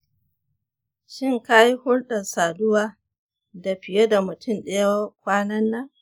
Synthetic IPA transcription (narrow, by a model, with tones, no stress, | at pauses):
ʃɪ˦ŋka˦ji˦hʊ˦ɽɗɐ˨saː˨dʊ˦waː˦ | da˨ɸɪ˨je˦da˨mʊ˨tʰʊ˦mɗɐ˦jwa˦kʷaː˦nɐ˦nːa˦